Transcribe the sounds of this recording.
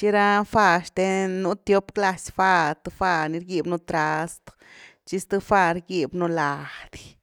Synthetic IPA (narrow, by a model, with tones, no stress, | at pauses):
t͡ʃi˦ɾa˦fa˦˧ʃt̪e˧nu˧˦t̪jo˦pkla˧sfa˦˧ɾt̪ɨ˧fa˧ni˧ɾɡi˦˧bnu˧t̪ɾa˧st̪ | t͡ʃi˦st̪ɨ˦fa˧ɾɡi˧bnu˧la˨˧hd̪